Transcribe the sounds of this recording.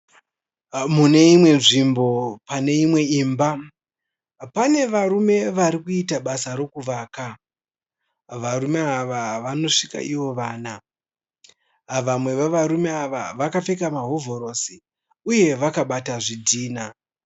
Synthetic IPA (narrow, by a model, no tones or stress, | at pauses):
mune̞imwe̞nʐimbo̞pane̞imwe̞iːmba | pane̞ʋarume̞ʋaɾikuitaɓasaɾo̞kuʋaːka | ʋarume̞aʋaʋano̞ʂika̰ʔiʋo̞ʋaːna | ʋamwe̞ʋeʋaɾume̞aʋa̰ʋakafekamaɦo̞vo̞ɾo̞si | uje̞ʋakaɓataʐidʱiːna